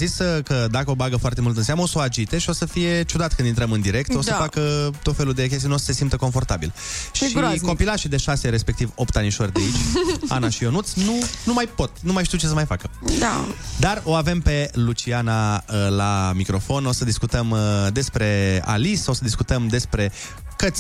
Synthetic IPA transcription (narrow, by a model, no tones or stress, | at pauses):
zisəkəd̪akəo̞baɡəfoart̪e̞mult̪ɨnseaməosəoad͡ʒit̪e̞ʃio̞səfije̞t͡ʃud̪at̪̚kɨnd̪int̪ɾəmɨnd̪iɾe̞k̚t̪o̞səfakət̪o̞t̪fe̞lud̪e̞kʲest̪inosəse̞simt̪əko̞ɱfo̞rt̪abil | ʃiko̞pilaʃid̪e̞ʃaseɾe̞spekt̪ivop̚t̪aniʃo̞rʲd̪eit͡ʃa̰naʃio̞nut̪snunumajpo̞t̪numajʃt̪iwt͡ʃesəmajfakəd̪ad̪aro̞ave̞mpe̞lut͡ʃianaəlamikɾo̞fo̞no̞səd̪iskut̪əmd̪e̞spɾe̞a̰liso̞səd̪iskut̪əmd̪e̞spɾe̞ | kət̪sʲ